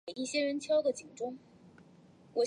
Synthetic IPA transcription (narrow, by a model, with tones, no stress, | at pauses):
i˥˩ɕjɛ˥ɻə˧˥nt͡ɕʰjɑ˥ʊɡ̪ə˨t͡ɕi˨˩ŋʈ͡ʂʊ˥ŋ | wɔ˨˩